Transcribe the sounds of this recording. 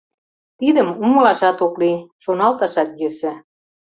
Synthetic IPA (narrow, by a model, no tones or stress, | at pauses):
t̪id̪ə̆mumɤ̆lɑʃɑt̪okliʃonɑlt̪ɑʃɑt̪jøsɘ̆